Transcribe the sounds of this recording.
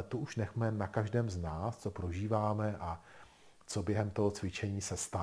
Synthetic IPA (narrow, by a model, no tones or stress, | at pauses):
t̪oʔuʃnɛxmɛnakaʒdɛːmznaːst͡sopɾo̞ʒiːvaːmɛʔa | t͡so̞bjɛɦɛmt̪o̞ɦo̞t͡svɪt͡ʃɛɲiːsɛst̪a